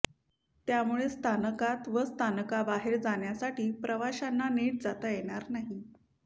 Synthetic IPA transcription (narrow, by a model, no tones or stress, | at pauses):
t̪jamuɭest̪ʰanəkat̪ʋəst̪ʰanəkabaɦeɾd͡zaɳjasaʈiːpɾəʋaɕanːaneʈ̚d͡zat̪ajeɽ̃aɾnaɦi